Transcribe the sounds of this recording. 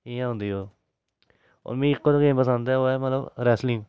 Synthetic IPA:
iːjãːɦʊ̃nd̪iːoː | o̰ːɾmĩːɪkːoːd̪kẽːpəsənd̪ɛːoːɛːmət̪ləbɾɛːslɪ̃ŋɡ

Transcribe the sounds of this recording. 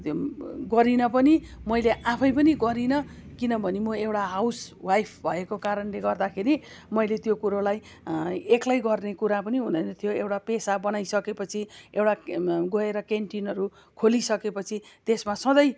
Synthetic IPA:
ɡʌɾinʌp̬ʌni | mʌjleʔãpʰʌjp̬ʌniɡʌɾinʌkinʌbʱʌnemʌewʈaɦawsbwajpʰbʱʌekokaɾʌnleɡʌrd̪akʰeɾi | mʌjlet̪jokuɾolaj | eklajɡʌrnekuɾapʌniɦunʌnʌt̪ʰijoewʈapesabʌnajsʌkepʌt͡sʰiewʈaɡʌeɾʌkeɳʈinʌɾu | kʰolisʌkepʌt͡sʰit̪esmasʌ̃d̪ʌj

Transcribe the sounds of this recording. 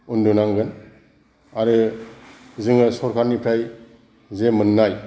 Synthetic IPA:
undunaŋɡɯn | aɾɯ | zɯŋɯsɔɾkʰaɾnipʰɾaj | zemɯnːaj

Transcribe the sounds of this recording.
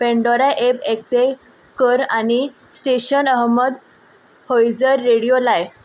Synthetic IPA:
pɛ̃ɳɖɔɾaʔepek̚t̪e | kəɾañi | sʈeɕənəɦməd̪ | hojd͡zəɾːeɽijolaj

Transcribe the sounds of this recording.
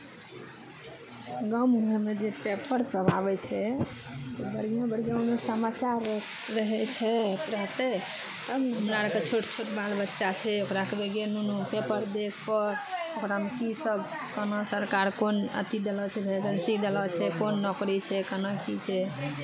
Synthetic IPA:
ɡəmɡʱəɾmed͡ʒepepəɾsəbʱabɛt͡ʃʰɛ | t̪obəɾijãbəɾjãmesəmat͡ʃaɾː | əɦɛt͡ʃʰɛɾəɦt̪ɛ | t̪əmɦəmɾaɾəket͡ʃʰoʈt͡ʃʰoʈbalbətːʃat͡ʃʰɛokɾakebeɡenunupepəɾd̪ekʰpəɾokɾamekisəb | kənəsəɾkaɾkonə̰t̪id̪elɔt͡ʃʰɛbʱeɡənsikd̪elɔt͡ʃʰɛkonːɔkɾit͡ʃʰɛkənəkit͡ʃʰɛ

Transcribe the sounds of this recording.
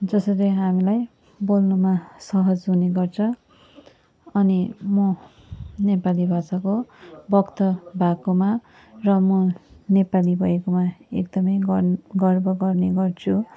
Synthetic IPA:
d͡zʌsʌleɦamilaj | bolnumasʌɦʌd͡zɦuneɡʌrt͡sʰʌ̃ | ʌnimʌ | nepalibʱasakobʌkt̪ʌbʱakoma | rʌmʌnepalibʱʌjekomaḛkd̪ʌmʌjɡɡʌrbʌɡʌrneɡʌrt͡sʰu

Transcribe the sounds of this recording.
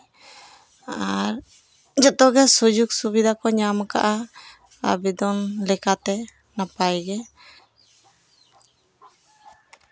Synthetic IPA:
aɾ | d͡ʒɔt̪ɔɡɛsud͡ʒuk̚subid̪ʱakɔɲamka̰ʔa | a̰bid̪ɔnlɛkat̪ɛ | napajɡɛ

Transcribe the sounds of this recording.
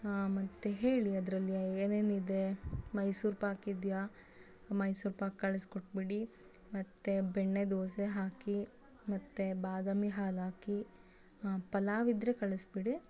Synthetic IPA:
mɐt̪ːeɦeːɭiɐd̪ɾɐlːieːneːnid̪emɐjsuːɾpaːkid̪ja | mɐjsuːɾpaːkkɐɭiskoʈ̚biɽi | mɐt̪ːebeɳːed̪oːseɦaːki | mɐt̪ːebaːd̪ɐmiɦaːlaːki | pɐlaːʋid̪ɾekɐɭisbiɽi

